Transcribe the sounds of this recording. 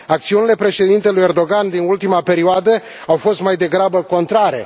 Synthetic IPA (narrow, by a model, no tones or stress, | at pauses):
ak̚t̪siunile̞pɾe̞ʃe̞d̪int̪elujerd̪o̞ɡand̪inult̪imape̞ɾioad̪ə | awfo̞st̪majd̪e̞ɡɾabəko̞nt̪ɾaɾe̞̰